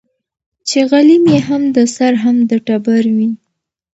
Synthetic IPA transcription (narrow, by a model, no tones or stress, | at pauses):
t͡ʃeɣalimjeɦamd̪əsaɾɦamd̪əʈabaɾwi